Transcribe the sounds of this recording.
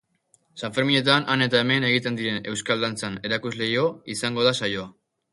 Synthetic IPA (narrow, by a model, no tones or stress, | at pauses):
saɱfe̞ɾmiɲe̞t̪anane̞t̪ae̞me̞ne̞ɣ̞it̪e̞nd̪iɾe̞ne̞wskald̪ant͡sane̞ɾakuzle̞jo̞isaŋɡo̞ðasajo̞a